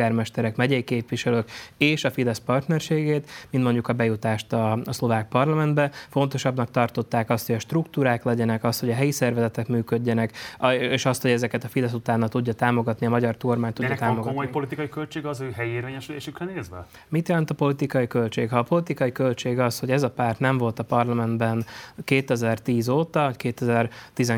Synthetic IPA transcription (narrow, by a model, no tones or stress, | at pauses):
aːrmɛʃt̪ɛɾɛkmɛɟɛjikeːpʋiʃɛløːkeːʃɒfid̪ɛspɒrt̪nɛrʃeːɡeːt̪mint̪mo̞ɲɟukɒbɛjut̪aːʃt̪ɒɒslo̞vaːk̚pɒrlɒmɛnd̪bɛfo̞n̪t̪o̞ʃɒbnɒk̚t̪ɒrt̪o̞t̪ːaːkɒst̪ho̞ɟɒʃt̪rukt̪uːɾaːklɛɟɛnɛkɒst̪ho̞ɟɒɦɛjisɛrvɛzɛt̪ɛkmyːkø̞ɟːɛnɛkeːʃɒst̪ho̞ɟɛzɛkɛt̪ɒfid̪ɛsut̪aːnːɒt̪uɟːɒt̪aːmo̞ɡɒt̪niɒmɒɟɒrt̪ormaːɲt̪uɟːɛt̪aːmoɡɒmojpo̞lit̪ikɒjikølt͡ʃeːɡɛɒzøːɦɛjieːɾveːɲɛʃyleːʃykrɛneːzʋɛ̰ | mit̪jɛlɛnt̪ɒpo̞lit̪ikɒjikø̞lt͡ʃeːkhɒːpo̞lit̪ikɒjikølt͡ʃeːɡɒshoɟɛzɒpaːrt̪nɛɱvo̞lt̪ɒpɒrlɒmɛnd̪bɛnkeːt̪ɛzɛrt̪iːzoːt̪ɒvɒckeːt̪ɛzɛrt̪izɛŋ